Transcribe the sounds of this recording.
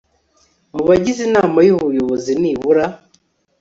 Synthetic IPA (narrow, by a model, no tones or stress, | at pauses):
muβaɟizinaːmajuβujo̞βoziniβuɾa